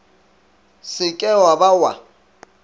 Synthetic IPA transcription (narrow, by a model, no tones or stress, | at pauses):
sɪkʼɛwabawa̰